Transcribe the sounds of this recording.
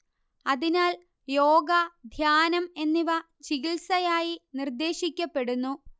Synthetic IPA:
ɐðinaːl | jo̞ːɡɐd̪ʱjaːnɐme̞nːiʋɐ | t͡ɕiɣilsɐjaːjinird̪e̞ːɕikʲːɐpːe̞ɽunːu

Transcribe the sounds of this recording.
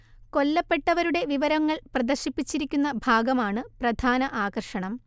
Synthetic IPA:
ko̞lːɐpːe̞ʈːɐʋɐɾuɽe̞ʋiʋɐɾɐŋːɐɭprɐd̪ɐrɕipːit͡ɕːiɾikʲːunːɐbʱaːɡɐmaːɳɨprɐd̪ʱaːnɐʔaːɡɐrʂɐɳɐm

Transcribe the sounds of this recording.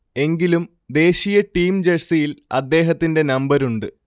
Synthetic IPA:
e̞ŋɡilum | d̪e̞ːɕijɐʈiːmd͡ʑeɻsijilɐ̰d̪ːe̞ːɦɐt̪ːinde̞nɐmbɐɾuɳɖɨ

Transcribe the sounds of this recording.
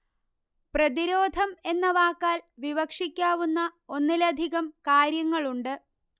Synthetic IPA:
prɐðiɾo̞ːd̪ʱɐme̞nːɐʋaːkːaːlʋiʋɐkʂikʲːaːʋunːɐo̞nːilɐd̪ʱiɣɐmkaːɾjɐŋːɐɭuɳɖɨ

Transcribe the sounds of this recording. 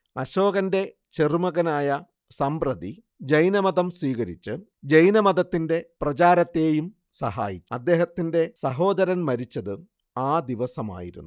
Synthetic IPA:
ɐɕo̞ːɣɐnde̞ | t͡ɕerumɐɣɐnaːjɐ | sɐmprɐd̪i | d͡ʑɐjnɐmɐðɐmswiːɣɐɾit͡ɕːɨ | d͡ʑɐjnɐmɐd̪ɐt̪ːinde̞prɐt͡ɕaːɾɐt̪ːe̞ːjum | sɐɦa̰ːjikʲːuɐd̪ːe̞ːɦɐt̪ːinde̞sɐɦo̞ːd̪ɐɾɐnmɐɾit͡ɕːɐðɨ | aːd̪iʋɐsɐma̰ːjḭɾunːu

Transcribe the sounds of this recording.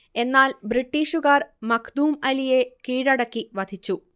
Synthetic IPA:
e̞nːaːlbriʈːiːʂuɣaːrmɐkʰd̪uːmɐlije̞kiːɻɐɽɐkːiʋɐd̪ʱit͡ɕːu

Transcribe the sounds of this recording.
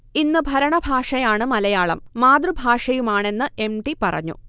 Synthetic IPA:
inːɨbʱɐɾɐɳɐbʱaːʂɐjaːɳɨmɐlɐjaːɭɐ̰mːaːd̪rɨbʱaːʂɐjumaːɳe̞nːɨʔe̞mɖipɐrɐ̰ɲːṵ

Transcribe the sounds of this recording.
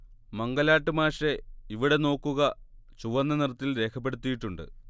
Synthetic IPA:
mɐŋɡɐlaːʈːɨmaːʂe̞iʋiɽe̞no̞ːkːuɣɐt͡ɕuʋɐnːɐnirɐt̪ːilɾe̞ːkʰɐp̬ːe̞ɽut̪ːijiʈːuɳɖɨ̰

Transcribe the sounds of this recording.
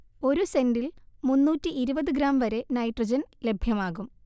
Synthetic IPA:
o̞ɾuse̞ndilmunːuːtːiʔiɾubɐðɨɡɾaːmʋɐɾe̞nɐjʈrɐd͡ʑɐnle̞bʱjɐmaːɣum

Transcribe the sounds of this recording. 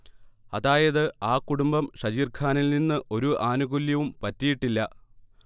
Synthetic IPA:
ɐðaːjɐðɨaːkuɽumbɐmʂɐɾiːrkʰaːnilninːɨʔo̞ɾuʔaːnuɣuljɐʋumpɐtːijiʈːilːɐ

